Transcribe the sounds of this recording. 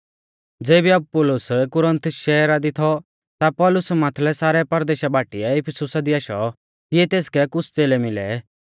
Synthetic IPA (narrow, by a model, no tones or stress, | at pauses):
d͡zeːbiɐb̚pʊlʊskʊɾə̃nt̪ʊsʃɛːɾad̪it̪ʰɔ | t̪apɔːlʊsmaːt̪ʰlɛsaːɾɛpɐɾd̪eːʃabʱaːʈɪɛɪpʰɛsʊsad̪iaːʃɔ̰ | t̪ɪɛt̪eːskɛkʊt͡sʰt͡seːlɛmɪlɛ̰